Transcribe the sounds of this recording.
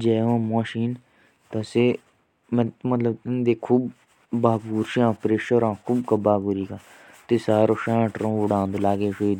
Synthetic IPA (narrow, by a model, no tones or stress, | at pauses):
d͡ʒɛːɦõːmaːʃiːn | t̪ase | mɛ̃mət̪ləbnd̪eːkʰuːbː | aːɡuːɾʃiãːpɾeːʃəɾãːkʰuːbkəbaːɡuːɾiːkaː | t̪esaːɾoːʃãːʈɾõːʋʊɽãːnd̪laːɡeːʃoiːd̪